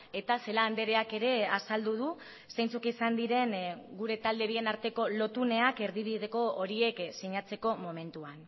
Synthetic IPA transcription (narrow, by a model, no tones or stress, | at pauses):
e̞t̪ase̞laːnd̪e̞ɾe̞ake̞ɾe̞asald̪uð̞u | sejnt͡sukisand̪iɾe̞nɡuɾe̞t̪ald̪e̞βie̞naɾt̪e̞ko̞lo̞t̪une̞ake̞ɾðiβiðe̞ko̞oɾie̞ksiɲat͡se̞ko̞mo̞me̞nt̪uan